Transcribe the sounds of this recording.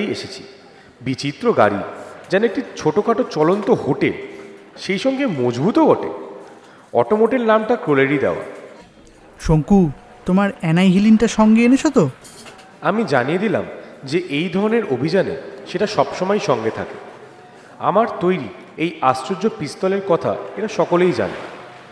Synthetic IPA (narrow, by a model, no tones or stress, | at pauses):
jeʃet͡ɕʰi̥ | bit͡ɕit̪ːɾoɡa̰ɾḭd͡ʑɛnoek̚ʈit͡ɕʰoʈokʰaʈot͡ɕɔlont̪oɦoʈel | ʃejʃɔŋɡemod͡ʑbʱut̪oɡɔʈḛ | ɔ̰ʈomoʈelnamʈakɾoleɾid̪ḛoa̰ | ʃoŋku | t̪omaɾɛnajɦilinʈaʃɔŋɡeenet͡ɕʰot̪o | amid͡ʑanied̪ila̰md͡ʑeʔejd̪ʱɔɾoneɾʔobʱid͡ʑanḛʃeʈaʃɔbʃɔmɔjʃɔŋɡet̪ʰa̰ke | a̰maɾt̪ojɾi | ejast͡ɕod͡ʑopist̪ɔleɾkɔt̪ʰa̰eʈaʃɔkolejd͡ʑa̰nḛ